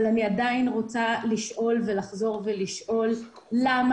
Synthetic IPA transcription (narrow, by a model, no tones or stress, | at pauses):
laniadainʁot͡saliʃʔo̞lve̞laχzo̞ʁveliʃʔo̞lː | am